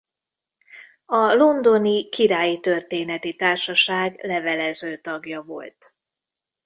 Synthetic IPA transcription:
ɒlo̞nd̪o̞nikiɾaːjit̪ø̞rt̪eːnɛt̪it̪aːrʃɒʃaːɡlɛvɛlɛzøːt̪ɒɡjɒvo̞̰lt̪

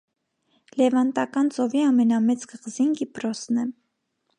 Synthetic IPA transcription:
lɛvɑnt̪ɑkɑnt͡sɔviɑmɛnɑmɛt͡sɡəʁzinɡipɾɔsnɛ

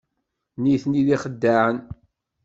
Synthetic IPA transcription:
niθniðiχəd̪ːaʕən

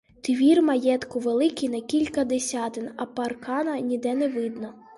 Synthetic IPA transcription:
t̪ʲʋʲirmɐjɛt̪kʊʋelˠɪkʲinɐkʲilʲkɐd̪esʲɑt̪ɪnɐpɐrkɑnɐnʲid̪ɛnɛʋɪd̪nɔ

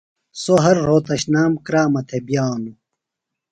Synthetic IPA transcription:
soɦɐɾːoːt̪ɐɕnaːmkɾaːmɐt̪ʰebjaːnu

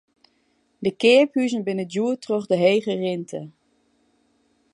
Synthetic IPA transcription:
dəkɪəphyzənbɪnəduətrøχdəɦeːɣərɪntʰə

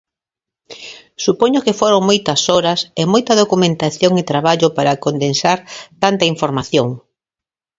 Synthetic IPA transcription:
supoɲʊkɪfoɾoŋmojt̪ɐsoɾɐsemojt̪ɐðokumẽnt̪aθjoŋɪt̪ɾaβaʎopaɾɐkond̪ensaɾt̪ant̪ɐiɱfoɾmaθjoŋ

